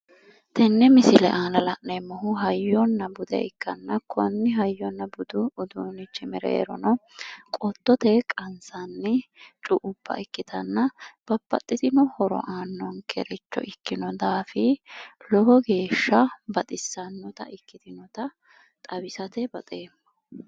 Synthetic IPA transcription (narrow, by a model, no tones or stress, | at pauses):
t̪ɛnːɛmɪsɪlɛʔaːlɐlɐʔnemːɔɦʊɦɐjːɔnːɐbʊd̪ɛ̰ɪkːɐnːɐkʰɔnːɪɦɐjːɔnːɐbʊd̪ʊʊd̪uːnɪt͡ʃːɪmɛɾḛːɾɔ̰nɔkʼɔt̪ːɔt̪ɛkʼɐnsɐnːɪt͡ʃʼʊʔʊb̥ːɐ̰ʔɪkːɪt̪ʰɐnːɐb̥ɐbːɐ̰t̪ʼːɪt̪ɪnɔhɔɾɔ̰ʔaːnːɔnkʰɛ̰ɾɛt͡ʃːɔ̰ʔɪkːɪnɔd̪aːfɪlɔhɔɡe̞ːʃːɐbɐt̪ʼɪsːɐnːɔt̪ɐ̰ʔɪkːɪt̪ɪnɔt̪ɐ | t̪ʼɐbɪsɐt̪ɛbɐt̪ʼeːmːɐh